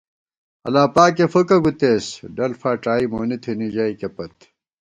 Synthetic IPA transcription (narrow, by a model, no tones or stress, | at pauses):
ɐ̰laːpaːkefɐkɐɡut̪eːsɖɐlfaːʈaːimoːnit̪ʰinid͡ʑɐːikepɐt̪